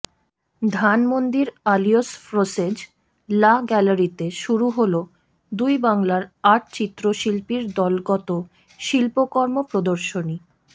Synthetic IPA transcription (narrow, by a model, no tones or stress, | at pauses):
d̪ʱanmond̪iɾaliosfɾosed͡ʑ | laɡɛlaɾit̪eʃuɾuɦolo | d̪ujbaŋlaɾaʈ̚t͡ɕit̪ːɾoʃilpiɾd̪ɔlɡɔt̪o | ʃilpokɔɾmopɾod̪oɾʃoni